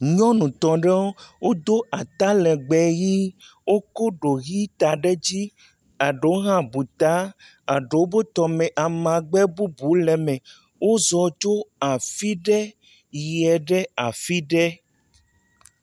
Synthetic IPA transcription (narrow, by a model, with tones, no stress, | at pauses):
ɲɔ̃˦nũ˨t̪ɔ̃˨ɖɛ˦wo˦wo˦d̪o˦ʔa˨t̪a˦lɛ˨ɡ͡bɛ˨ji˦ | wo˦ko˦ɖo˨ɣi˦t̪a˨ɖɛ˦d͡ʑi˦ | a˨ɖe˨o˦ɦã˦bu˨t̪a˦ | a˨ɖe˨˦o˦bo˦t̪ɔ˨mɛ̃˨ʔa˨mã˨ɡ͡bɛ˦bu˦bu˨˦lɛ˨mɛ̃˨ | wo˦zɔ˨t͡ʃo˦a˨fi˦ɖɛ˦ | jɛ˨ɖɛ˦a˨fi˦ɖɛ˦